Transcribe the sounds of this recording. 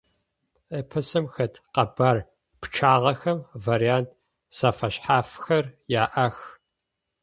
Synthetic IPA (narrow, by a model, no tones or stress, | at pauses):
eːpʰɐsɨmxɐtqɐbaːr | pʈ͡ʂʰaːʁɐxɐmvaːɾijaːnt̚ʰ | saːfɐɕħaːfxɐrjaːʔɐx